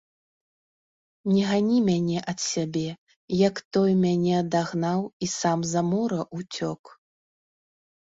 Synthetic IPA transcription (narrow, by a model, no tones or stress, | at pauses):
nʲɛɣanʲimʲanʲɛʔɐt̪sʲabʲɛ | jɐkt̪ɔjmʲanʲɛɐd̪aɣnawisamzamɔɾɐʔut͡sʲɔk